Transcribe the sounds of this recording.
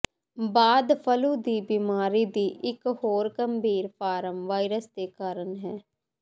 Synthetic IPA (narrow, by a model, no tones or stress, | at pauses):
baːd̪pʰəlũːd̪iːbiːmaːɾiːd̪iːʔɪkɦoːɾɡəmbʱiːɾpʰaːɾəmʋaːiɾəsd̪eːkaːɾənɦɛː